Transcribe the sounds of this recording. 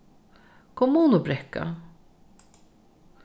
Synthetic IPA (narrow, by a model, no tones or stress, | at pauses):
kʰɔmːuːnʊbɾɛkːa̰